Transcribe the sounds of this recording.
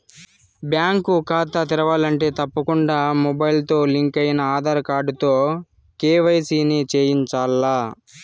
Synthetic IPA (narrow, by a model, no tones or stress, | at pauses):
bjaːŋkukaːt̪ɐt̪iɾɐʋaːlɐɳʈe̞ːt̪ɐpːɐkuɳɖaːmɔbɐjlt̪o̞ːliŋkɐjnɐaːd̪ʱaːɾɐkaːɾɖut̪oː | keːʋɐjsiːnit͡ʃeːjint͡ʃaːlːaː